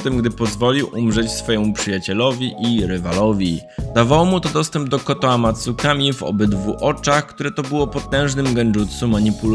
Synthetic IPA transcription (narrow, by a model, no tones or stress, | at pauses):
t̪ɛmɡd̪ɘpɔzvɔlʲiwʔumʐɛt͡ɕsfɔjɛmupʂɘjat͡ɕɛlɔvʲiʔiɾɘvalɔvʲid̪avawɔmut̪ɔd̪ɔst̪ɛmb̚d̪ɔkɔt̪ɔamat̪sukamʲivɔ̰bɘd̪vuʔɔt͡ʂaxkt̪uɾɛt̪ɔbɘwɔpɔt̪ɛ̃w̃ʐnɘmɡɛnd͡ʐut̪sumaɲipul